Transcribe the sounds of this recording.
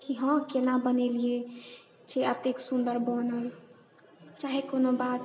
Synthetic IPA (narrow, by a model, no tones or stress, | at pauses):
kiɦə̃kenabənelie | t͡ʃʰeət̪eksũnd̪əɾbɔnəl | t͡ʃaɦekonobad̪